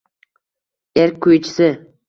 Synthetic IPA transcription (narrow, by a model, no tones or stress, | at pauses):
eɾk̚ʲkʰːojt͡ʃʰɪ̥sɪ